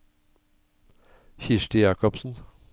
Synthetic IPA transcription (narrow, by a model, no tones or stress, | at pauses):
çɪʃʈɪjɑːkɔpsn̩